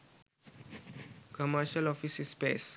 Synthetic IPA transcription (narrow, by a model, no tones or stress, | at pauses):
kʰɔmaʃalɔfisispes